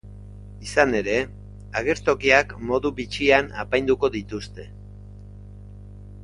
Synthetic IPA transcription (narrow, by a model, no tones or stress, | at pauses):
isane̞ɾe̞ | aɣ̞e̞ɾt̪o̞kiakmo̞ðuβit͡ʃiana̰pajnd̪uko̞ðit̪ust̪e̞